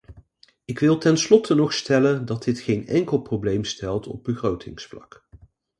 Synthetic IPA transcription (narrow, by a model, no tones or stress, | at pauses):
ɪkʋɪlˠtɛnslɔtənɔχstɛləndɑd̚ɪtχejnɛ̰ŋkəlˠprowblejmstɛlˠtɔ̰b̚bəχrowtʰɪŋsflɑ̰k